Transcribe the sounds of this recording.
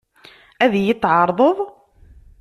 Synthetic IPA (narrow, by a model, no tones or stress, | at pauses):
æðjət̪ːʕɑɾˤðˤəðˤ